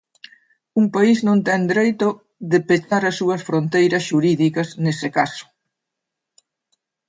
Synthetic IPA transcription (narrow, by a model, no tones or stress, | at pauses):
uŋpaiznõnt̪ɛŋd̪ɾejt̪ʊ | ðɪpet͡ʃaɾɐsːuɐsfɾont̪ejɾɐsʃuɾiðikɐsnesɪkasʊ̥